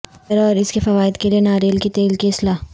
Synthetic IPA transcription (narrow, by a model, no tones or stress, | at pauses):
əɾɔːɾɪskefɐʋaːɪd̪kelienaːɾeːlkit̪eːlkeɪslaː